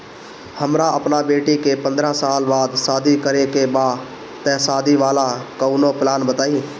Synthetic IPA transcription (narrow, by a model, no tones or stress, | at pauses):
həmɾãəpnabeːʈikeːpə̃nd̪ɾãːsaːlbaːd̪saːd̪ʱikəɾekebaː | t̪ɛ̃ːsaːd̪ʱiʋaːlakəuːnõːplaːnbət̪aːiː